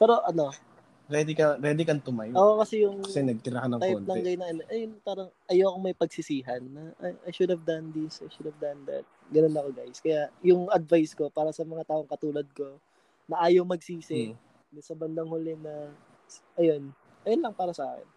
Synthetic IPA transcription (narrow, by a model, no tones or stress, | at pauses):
pɛːɾo̞ʔɐno̞ | ɾɛd̪ɪkɐɾɛd̪ɪkɐnt̪ʊmajʔoːʔkɐsɛjʊŋɐsɛnɐɡ̚t̪ɪɾakɐnɐŋt̪ajont̪nɐɛŋɡɐjnɐʔɐnoʔɐjonpaːɾɐŋʔɐjɐwɐkomɐjpɐɡ̚sɪsiːɦɐnːɐʔajʃʊd̪hɐvd̪ɐnd̪ɪsajʃʊd̪ɐvd̪ɐnd̪ɐ̰t̪̚ɡɐno̞nːɐkoɡajskɐjaʔjʊŋɐd̪̚vajsko̞paːɾɐsɐmɐŋat̪aːʔo̞ŋkɐt̪uːlɐd̪̚ko̞ | nɐʔaːjowmɐɡ̚siːsɪ | nɐsɐbɐnd̪ɐŋhʊlɛnɐ | sʔɐjo̞n | ʔɐjonlɐŋpaːɾɐsɐʔaːkɛ̰n